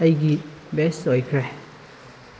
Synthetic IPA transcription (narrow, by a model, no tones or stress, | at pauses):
ɐjɡi | bestojkʰɾe